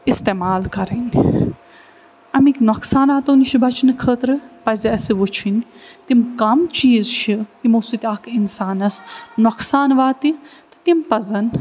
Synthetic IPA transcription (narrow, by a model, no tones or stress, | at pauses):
ist̪eːmaːlkɐɾɐnʲ | ɐmiknoksaːnaːt̪ɐniʃʰibɐt͡ʃʰinɨkʰəːt̪ɾɨpɐziɐsiʋot͡ʃʰint̪imkɐmt͡ʃiːzʃʰit̪imosut̪ʲiakʰinsaːnɐsnoksaːnʋaːt̪it̪ɨ̥t̪impɐzɐn